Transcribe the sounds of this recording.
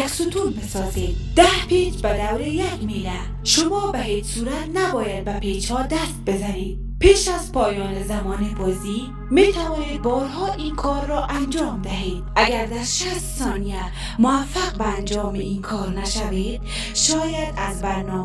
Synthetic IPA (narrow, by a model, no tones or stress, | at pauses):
aksut̪ʰuːnbesɒzed̪̚d̪̥ahpet͡ʃbad̪awɾejakmela | ʃʊmɒːbaɦed͡ʒsuɾat̪nabɒːjad̪̚bapʰed͡ʒhɔd̪ast̪̚bezaned̪̚ | peːʃazpʰɒːjɒːnezamɒːnebɒzi | met̪ʰavɒːned̪̚bɒːɾɦɔːʔinkʰɒɾːɔʔand͡ʒɒːmd̪aɦed̪̥̚aɡaɾd̪aɾʃast̪sɒːnija | mʊafːaqbaːnd͡ʒɒːmeinkʰɔːɾnaʃaved̪̥̚ | ʃɒːjad̪azbaɾnɔ